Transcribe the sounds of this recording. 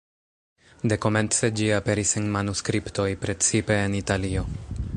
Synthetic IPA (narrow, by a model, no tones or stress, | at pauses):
d̪e̞ko̞me̞nt͡se̞d͡ʒiape̞ɾisenmanuskɾipto̞jpɾe̞t͡sipe̞ːnitalio̞